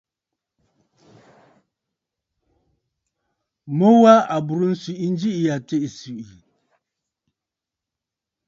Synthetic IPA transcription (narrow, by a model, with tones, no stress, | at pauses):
mo˦wa˦a˨bu˨ɾu˦n̩˦si˨ʔi˦n˦d͡ʒi˦i˨ja˨te˦ʔi˨si˨i˨